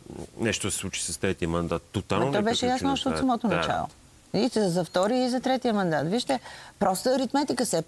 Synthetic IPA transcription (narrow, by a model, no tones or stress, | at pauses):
nɛʃt̪osɛ̥slˠut͡ʃi̥sɐst̪ɾɛt̪iəmɐnd̪at̪ːot̪alɐot̪ɔbɛʃɛjasnoɔʃt̪ɛot̪sɐmɔt̪onɐt͡ʃa̰lˠo̰ | it̪zɐft̪ɔɾiəizɐt̪ɾɛt̪iəmɐnd̪at̪viʃt̪ɛpɾɔst̪əːɾit̪mɛt̪ikəsɛ